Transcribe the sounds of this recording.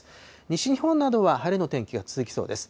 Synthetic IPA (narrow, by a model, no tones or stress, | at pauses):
ɲ̟iɕiɲ̟ihõ̞nːad̪o̞βahaɾeno̞t̪ẽ̞ŋkʲiɡat͡sɨzɨkʲi̥so̞̰ːd̪e̞sɨ̥